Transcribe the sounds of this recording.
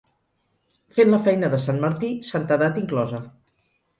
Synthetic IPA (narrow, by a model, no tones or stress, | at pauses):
fenləfɛjnəðəsanməɾt̪isant̪əðat̪iŋklɔzə